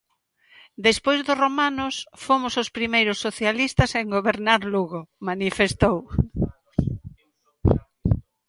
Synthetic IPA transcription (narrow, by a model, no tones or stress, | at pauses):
d̪espojzðʊromanʊsfomʊsospɾimejɾʊsːoθjalist̪ɐseŋɡoβeɾnaɾluɣomanifest̪ow